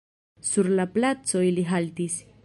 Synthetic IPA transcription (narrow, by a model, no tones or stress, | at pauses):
suɾlaplat͡so̞iliɦaltis